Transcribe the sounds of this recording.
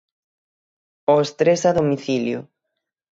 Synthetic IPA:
oest̪ɾesaðomiθiljʊ̰

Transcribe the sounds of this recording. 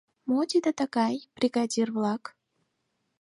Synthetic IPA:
mot̪ʲid̪ət̪əɣɑjbrʲiɡɑdʲirβlɑk

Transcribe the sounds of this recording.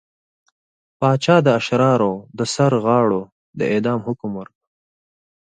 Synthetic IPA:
pɑːt͡ʃɑːd̪əaʃɾɑːɾod̪əsaɾɣɑːɽo | d̪ə̰ed̪ɑːmhʊkmwaɾka

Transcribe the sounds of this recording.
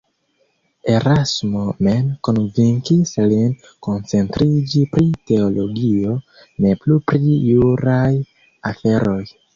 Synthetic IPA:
e̞ɾasmo̞me̞nkonviŋkislin | ko̞nt͡se̞ntɾid͡ʒipɾite̞olo̞ɡio̞ | ne̞plupɾiːuɾaj | afe̞ɾo̞j

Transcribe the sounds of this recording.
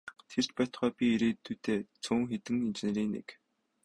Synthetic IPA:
t̪ʰer̥t͡ɕpæːt̪̆χœːpʲieɾeːt̪ːuːt̪ʰeːt͡sʰuːŋxet̪ɘ̆ŋint͡ɕ̆nĕɾiːnḛk

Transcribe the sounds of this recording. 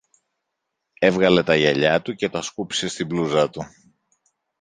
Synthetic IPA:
e̞vɣɐle̞t̪ɐʝɐʎɐt̪uce̞t̪ɐskupi̥se̞st̪ibluzɐt̪u

